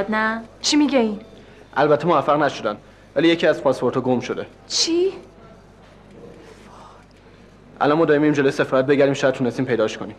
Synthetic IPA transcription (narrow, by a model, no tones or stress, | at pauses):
d̪næt͡ʃʰimiɟein | ʔælbæt̪ʰːe̞movæfːæɣnæʃo̞d̪ænd̪ | væliːje̞cʰiæzpʰɒspʰo̞ɾt̪ʰɒːɡomʃod̪e̞ | t͡ʃʰi | ʔæ̰lɒnmɒːd̪ɒːɾimiimd͡ʒelojesefɒːɾæt̪̚be̞ɟæɾimʃæjæt̪t̪ʰunest̪iːmpʰejd̪ɒːʃkʰoniːm